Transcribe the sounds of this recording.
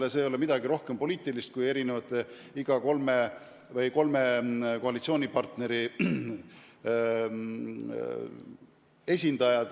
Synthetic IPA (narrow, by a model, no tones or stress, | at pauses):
leseːjo̞le̞mid̪̥ɑɡiɾo̞hkempo̞liːt̪ˑilist̪̚kuje̞ɾinevɑt̪ːˑe | iɡ̥ɑko̞lme | vɤjko̞lme̞ko̞ɑlit̪sio̞ːnʲipɑrt̪ne̞ɾi | e̞s̬ʲind̪̥ɑjɑd̪̥